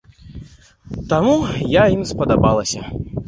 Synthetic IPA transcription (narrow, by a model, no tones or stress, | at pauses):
t̪amujaimspɐd̪abalˠɐsʲɐ